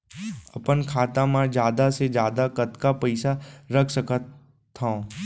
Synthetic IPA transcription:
ɐpənkʰaːt̪ãmãd͡ʒjaːd̪ased͡ʒjaːd̪akət̪kapəɪsaɾəkʰsəkʰət̪ʰː | ã

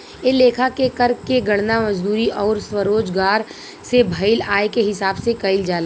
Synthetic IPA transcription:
eleːkʰakekɐɾkeɡɐɽnamɐd͡ʒd̪uːɾiʔɔːɾswɐɾoːd͡ʒɡaːɾ | sebʱɐɪlaːekeɦɪsaːbsekɐɪld͡ʒaːla

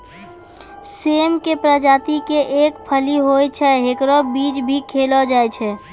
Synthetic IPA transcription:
semkepɾəd͡ʒat̪ikeʔekpʰəliɦojt͡ʃʰɛɦekɾɔbid͡ʒbʱikʰelɔd͡ʒajt͡ʃʰɛ

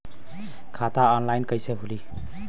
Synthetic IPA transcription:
kʰatʰaɔnlajnkəjseɦuli

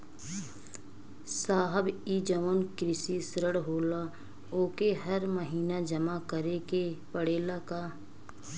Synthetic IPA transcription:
saːɦəbiːd͡ʒəʋənkɾɪsisɾəɽɦoːla | oːkeɦəɾməɦiːnad͡ʒəmakəɾekepəɽeːlakaː

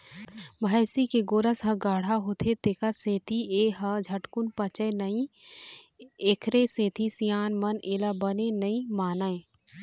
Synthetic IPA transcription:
mʱasikeɡoːɾəsɦɐ̃ɡaːɽ̤aɦoːt̪ʰet̪eːkəɾseːt̪ʰieːɦɐd͡ʒʱəʈkʊnpət͡ʃəjnəĩ | eːkʰɾeseːt̪ʰisijaːnmɐneːlabənenɐĩmaːnaẽ

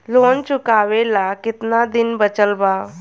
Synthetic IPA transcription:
loːnt͡ʃʊkaːʋelakɪt̪nad̪ɪnbət͡ʃəlbaː

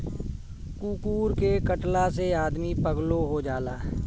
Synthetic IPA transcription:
kuːkuːɾkekəʈlaseaːd̪mipəɡloɦod͡ʒaːlaː

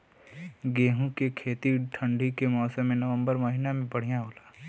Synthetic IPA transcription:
ɡeːɦũkekʰeːt̪iʈʰə̃ɳɖʱikemɔːsə̃mːẽnɐʋə̃mbəɾmɐɦinamẽpɐɽ̤ijãɦoːlaː

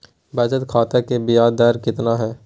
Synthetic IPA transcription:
bʱaːt͡ʃət̪kʰaːt̪ekebɪjaːd̪ɛːɾkɪt̪naɦɛː

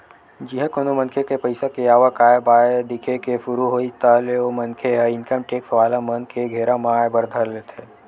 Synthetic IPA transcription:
d͡ʒɪɦẽkonomənkʰekepəɪsakejaːʋakaːjəbaːed̪ɪkʰekefʊɾuɦoːit̪aleomɐnkʰeɦɛɪnkəmʈeːksɐʋaːlamənkʰeɡʱeːɾamãːjbɐɾd̪ʱəɾlet̪ʰeː

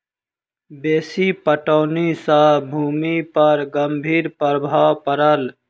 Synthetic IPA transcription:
beːsipəʈɔːnisabʱuːmipɐɾɡɐmbʱiːɾpəɾbʱaːwpəɾəl

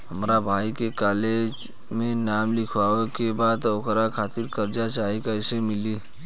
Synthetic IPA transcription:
ɦəmɾabʱaːikekaled͡ʒ | mẽnaːmlɪkʰʋaekebaːd̪okɾakʰaːt̪iɾkəɾd͡ʒat͡ʃaɦikaɪsemɪli

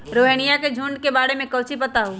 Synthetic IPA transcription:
ɾoːɦenijaked͡ʒʱũːɳɖkebaːɽemẽkəːt͡ʃʰipət̪aɦu

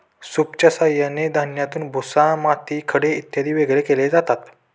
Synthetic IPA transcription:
supt͡ɕasajaned̪ʱanjat̪uːnbʱusãmat̪iːkʰəɽeit̪jad̪ʱiːʋeɡlekeled͡zat̪at̪

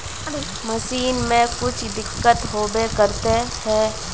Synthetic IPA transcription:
mɐsiːnmẽkʊt͡ʃʰd̪ɪkːət̪ɦoːbekəɾt̪eɦɛː

